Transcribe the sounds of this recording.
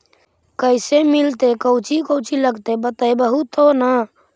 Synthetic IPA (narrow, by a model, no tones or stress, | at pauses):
kəɪsemilt̪ekəwt͡ʃikəwt͡ʃiləɡt̪ebət̪əjbəɦut̪onə